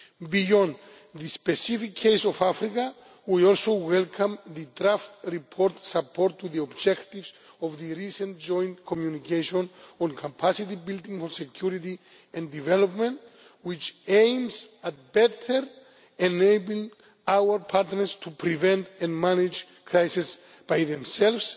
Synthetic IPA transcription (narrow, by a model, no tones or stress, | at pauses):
bijɔ̃nd̪ | ðɨspɛsifikʰːeɪsɔvafɾika | wiɔlˠsowɛlkʰãmðɨdɾaftɹipʰɔɾtsapʰɔɾtʰːuðiɔbd͡ʒɛktivz | ɔvðɨɹisə̃nd͡ʒɔ̃j̃ntkʰɔmjunikʰeʃɔ̃nɔ̃nkʰapʰasitibildĩŋfɔɹsɛkʰj̥uɾiti | ɛ̃ndivɛlɔpmɛ̃nt | wit͡ʃẽj̃msat̚bɛtʰəɹ | ɛ̃nejbi | awəɹpʰaɾtnəstʰupʰɾivɛ̃ntɛ̃nmanid͡ʒ | kʰɹajsis | b̥ajðɛ̃msɛlvs